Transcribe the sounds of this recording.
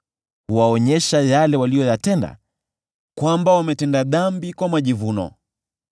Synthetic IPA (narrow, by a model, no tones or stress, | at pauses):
huwaɔɲɛʃajalɛwalijɔjatɛnda̰ | kwambawamɛtɛndaðambikwamaʄivunɔ̰